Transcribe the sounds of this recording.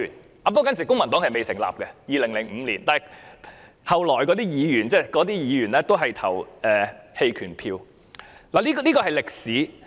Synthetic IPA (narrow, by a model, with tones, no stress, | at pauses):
n | ʔaː˨˧pːkɐ˥nsi˨˩kʊ˥ŋmɐ˨˩nt̪ɔː˨˥ŋhɐ˨jme˨jsɪ˨˩ŋla̰ː˨˩p̚kɛ˧jiː˨˧lɪ˨˩ŋlɪ˨˩ŋm̩ː˨˧liː˨˩nt̪aː˨hj | hɐ˨wlɔː˨˩jkɔː˨˥t̪iː˥jiː˨˧jyː˨˩nt͡sɛː˥˩kɔː˨˥t̪̬iː˥jiː˨˧jyː˨˩nlɛː˥t̪o˥wɦɐ˨jt̪ʰɐ̰˨˩wɛː˨he˧jkʰyː˨˩npʰiː˧w | laː˨˩liː˥kliː˥kɔː˧ɦɐ˨jlɪ˨k̚siː˨˥